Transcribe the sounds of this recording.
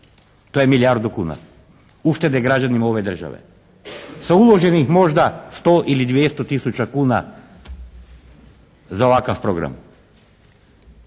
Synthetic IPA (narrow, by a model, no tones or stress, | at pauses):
t̪ojemiljaɾd̪ukuːna̰ | uʃt̪e̞d̪ɛɡɾad͡ʑanimao̞ʋed̪r̩ʒa̰ʋḛ | saulˠo̞ʒenixmo̞ʒd̪ast̪oʔilid̪ʋjest̪ot̪isut͡ʃakuːna̰ | zaoʋakafpɾoɡɾa̰m